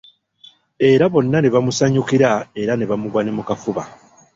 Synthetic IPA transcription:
e̞ɾaβo̞nːane̞βamusaɲukiɾae̞ɾane̞βamuβwane̞mukafuβa̰

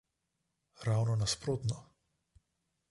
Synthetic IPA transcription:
ɾaːwnɔnaspɾoːt̪nɔ

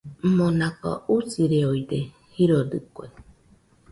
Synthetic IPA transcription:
monaka̰usiɾeoid̪e | hiɾodɨkʷa̰i

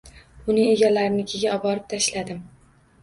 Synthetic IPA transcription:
ʊnɪŋe̞ɡʲalaɾɪnɪkʲʰeɡʲaɒbɒɾɪp̚t̪ʰaʃlad̪ɪm

